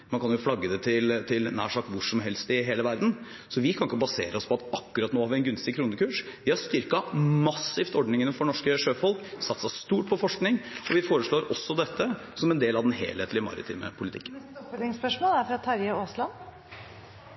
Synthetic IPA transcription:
mɑnkʰɑnjʊflɑɡːəd̪ɛt̪ʰɪlt̪ʰɪlnæ̰ːʂɑːkʋʊʂɔmɦɛlst̪ɪɦeːləʋæɾd̪n̩ | sɔʋɪkʰɑnɪkːəbɑseːɾəɔspʰɔɑt̪ɑkːʉɾɑt̪noːhɑɾʋɪɛnɡʉnst̪ɪkʰɾuːnəkʉːʂʋɪhɑst̪ʏɾkɑmɑsːɪft̪ɔɖnɪŋənəfɔɳɔʂkəʂøːfɔlksɑt̪ːsɑst̪uːʈ̚pʰɔfɔʂknɪŋɔʋɪfoːɾəʂɭoːɾʔɔsːɔd̪ɛt̪ʰːəsɔmɛnd̪eːlɑʋd̪ɛnɦḛːleːt̪ʰlɪmɑ̰ɾɪ̰t̪ʰḭːmə̰pʰʊlɪt̪ʰɪ̰kːənt̪ɪŋspœʂmoːlæɾfɾɑt̪ʰɑɾjəoːslɑn

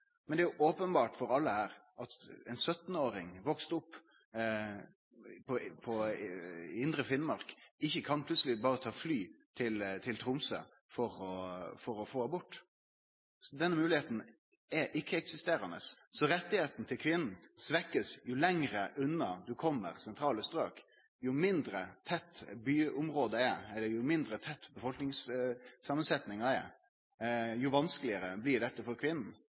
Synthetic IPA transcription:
mɛnd̪ɛæjʊʔoːpənbɑːʈfɔɾɑlːəhæːɾʔɑt̪ɛnsœt̪noːɾɪŋʋɔkst̪ʊpː | pʰɔpʰɔ | ɪnd̪ɾəfɪnmɑɾkɪçːəkʰɑnpʰlʉt̪səlɪbɑːɾət̪ʰɑːflyːt̪ʰɪlt̪ʰɪlt̪ʰɾʊmsə̰ | fɔɾɔfɔɾɔfoːbʊʈː | sɔd̪ɛnːəmʉːlɪheːt̪n̩ | ɛɾʔɪkːəɛksɪst̪eːɾɑnə̰ssɔɾɛt̪ːɪheːt̪n̩t̪ʰɪlkʰʋɪnn̩sʋɛkːəsjʊlɛŋɾəʔʉnːɑd̪ʉkʰɔmːə̰ɾsɛnt̪ʰɾɑːləst̪ɾøːk | jʊmɪnd̪ɾət̪ʰɛt̪ːbyːʊmɾoːd̪əɛɛlːəɾjʊmɪnd̪ɾət̪ʰɛt̪ːbəfɔlknɪŋssɑːmənsɛt̪nɪŋɑɛ̰ | jʊʋɑnskəlɪəɾəblɪɖɛt̪ːəfɔɾkʰʋɪnn̩

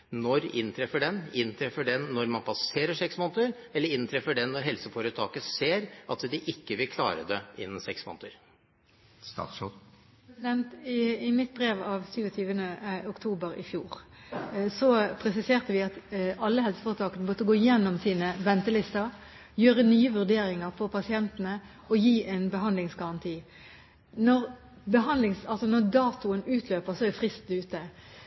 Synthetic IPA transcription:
nɔɾɪ̰nt̪ʰɾɛfəɖɛnɪnt̪ʰɾɛfəɖɛnːɔɾmɑnpʰɑseːɾəʂɛksmɔnt̪əɾɛlːəɾɪnt̪ʰɾɛfəɖɛnːɔɾɦɛlsəfɔɾət̪ʰɑːkəseːɾʔɑt̪d̪ɪʔɪkːəʋɪlkʰlɑ̰ːɾə̰d̪ɛʔɪ̰nːəsɛksmɔ̰nt̪əɾ | ɛsɪd̪ɛnt̪ɪɪmɪt̪̚bɾeːʋɑʋsyːʋɔt̪ʰyːʋənəʊkt̪ʰuːbəɾɪ̰fjuːʁ | sɔpʰɾɛsɪseːʁt̪əʋɪɑt̪ɑlːəhɛlsə̥fɑʁt̪ʰɑːkənəbɔt̪ːəɡoːjɛnːɔmsiːnəʋɛnt̪əlɪst̪əɾ | jøːʁənyːəʋʉʁd̪eːɾɪŋəʁfɔʁpʰɑsɪɛnt̪ənə | ɔjiːʔɛɪnbəɦɑnd̪lɪŋsɡɑʁɑnt̪ʰiː | nɔʁ | bəɦɑnd̪lɪŋsɑlsɔnɔʁd̪ɑːt̪ʊənʉːt̪ʰløːpəʁsɔɛd̪ɪfʁɪst̪d̪ʉːt̪ə

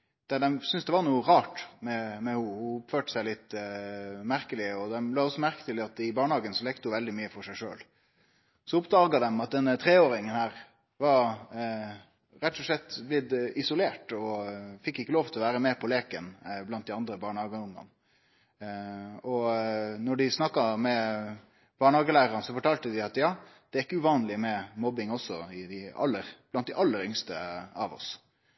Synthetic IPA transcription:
d̪̥æɖ̪ɛmsʏnsd̪ɛʋɑɾnuːəɾɑːʈmɛmɛhʊhʊʊpføːʈə̥sæɪlɪt̪ː | mæɾkəlɪəɔd̪ɛmlɑːɔsːɔmæɾkət̪ɪlɪɑt̪ɪbɑːɳəhɑːɡənsɔlɛːkt̪əʊʋɛld̪ɪmyːəfɔɾʂæɪʂø̰ːl | sɔʊpd̪ɑːɡɑd̪ɛmɑt̪̚d̪ɛnːət̪ʰɾeːoːɾɪŋənhæːɾ | ʋɑɾ | ɾɛt̪ːʊʂlɛt̪ːblɪd̪ɪsʊleːʈɔfɪkːɪkːəloːʋt̪ʰɪlɔʋæːɾəmɛpʰɔleːkənblɑnt̪̚d̪ɪɑnd̪ɾəbɑːɳəhɑːɡəʊŋːɑ̰n | ɔnɔɖɪsnɑkːɑmɛ | b̥ɑːɳəhɑːɡəlæːɾəɑnsɔfɔʈʰɑːlt̪əd̪ɪɑt̪jɑːd̪̥ɛæɾɪkːəʉʋɑːnlɪmɛmɔbɪŋɔsːɔɪd̪ɪɑ̰lːəɾb̥lɑnt̪̚d̪ɪʔɑlːəɾʏŋst̪ə̰ɑʋɔ̰s

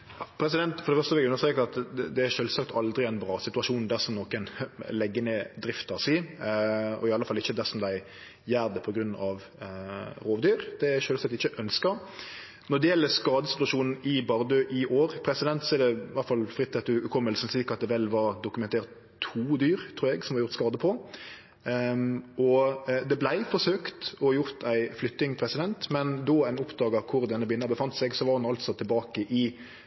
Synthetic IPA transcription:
jɑpʰɾɛsɪd̪ɛnt̪fɔɾɖɛfœʁst̪əʋɪʉnəst̪ʁeːkəɾɑt̪d̪ɛæʃøːlsɑkt̪ʰɑld̪ɾɪæɪnbɾɑːsɪt̪ʉɑʂuːnd̪æɾsɔmnɔkənlɛɡːəned̪ɾɪft̪ɑsi | ɔ̰ɪɑləfɑlːɪçːəd̪æsɔmd̪æɪ | jæːɾd̪əpʰɔɡɾʉnːɑʋ | ɾoːʋd̪yːɾd̪̥ɛʃøːlsɑt̪ːɪçəʔœnskə | nɔɖ̪ɛjɛlːəskɑːd̪əsɪt̪ʉɑʂuːnn̩ɪbɑɾd̪øʔɪʔoːɾpʰɾɛsɪd̪ɛnt̪sɔɛɖɛʋæɾt̪fɑlfɾɪt̪sɛt̪ʉʉkʰɔmːəlsn̩sliːkɑt̪̚d̪ɛʋɛlːʋɑɾd̪ʊkʉmɛnt̪ʰeːɾt̪ʰːuːd̪yːɾt̪ʰɾuːɾɛɡsɔmʋɑɾjʊɾt̪skɑːd̪əpʰɔ | ɔd̪ɛblæɪfɔʂøːkt̪ɔjʊɾt̪ʰæɪflʏt̪nɪŋpʰɾɛsɪd̪ɛnt̪mɛnd̪ɔːænʊpd̪ɑːɡɑkʰʊɾd̪ɛnːəbɪnːəbəfɑnt̪sɛɡsɔʋɑɾhʊnɑlt̪sɔt̪ʰɪlbɑːkəʔɪ

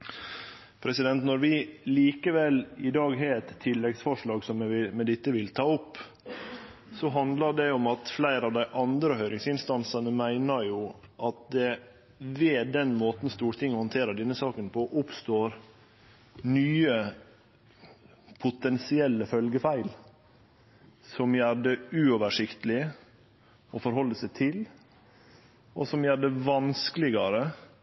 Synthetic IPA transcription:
pʰɾɛsɪd̪ɛnt̪nɔɾʋɪliːkəʋɛlɪd̪ɑːɡɦeːɛt̪ʰːɪlːɛɡsfɔʂɭɑːɡsɔmɛɪmɛd̪ɪt̪ːəʋɪlt̪ʰɑːʊpː | sɔɦɑnd̪ləɖɛɔmɑt̪flæɪɾɑʋd̪æɪʔɑnd̪ɾəhœʏɾɪŋsɪnst̪ɑnsɑnəmæɪnəɾjuʔɑt̪̚d̪ɛ | ʋeːd̪ɛnmoːt̪n̩st̪uːɾt̪ʰɪŋːhɔnt̪ʰeːɾəd̪ɛnːəsɑːkənpʰɔʔʊpst̪oːɾ | nyːə | pʰʊt̪ɛnsɪɛlːəfœlɡəfæɪl | sɔmjæɖəʉːɔʋəʂɪkt̪əlɪ | ɔfɔɾɦɔlːəsæɪt̪ʰɪl | ɔsɔmjæːɖəʋɑnskəlɪɡɑɾə

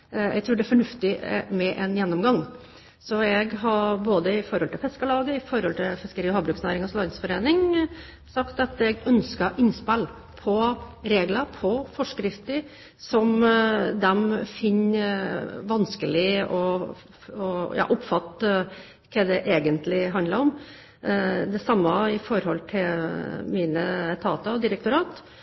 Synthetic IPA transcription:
ɛ̰ɡ̚t̪ʰʉːɖɛæfɔɳʉft̪ɪ̰mɛʔɛnjɛnːɔmɡɑŋ | sɔɛɡɦɑboːd̪əɪfɔɾhɔlt̪ʰɪlfɛskəlɑːɡəɪfɔɾhɔlt̪ʰɪlfɪskəɾiːɔhɑːbɾʉːksnæːɾɪŋɑslɑːɡ̪əsfɔɾeːnɪŋ | sɑkt̪ɑt̪ɛɡœnskɑʔɪnspæl | pʰɔɾeːɡləpʰɔfɔʂkɾɪft̪əɾ | sɔmd̪ɛmfɪnː | ʋɑnskəlɪɔ | ɔjʔɑ̰ːʔʊpːfɑt̪ːə | kʰɛd̪ɛʔeːɡənt̪lɪɦɑnd̪lɑɾɔm | d̪ɛsɑmːɑɪfɔɾhɔlt̪ʰɪlmiːnət̪ʰɑːt̪ɑɔd̪ɪɾɛk̚t̪ʊɾɑːt̪

